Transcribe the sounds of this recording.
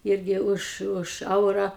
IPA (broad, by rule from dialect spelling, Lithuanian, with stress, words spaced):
ˈɪrʲɡʲɪ ʊʃ ˈʊʃ ˈɛʊrɐ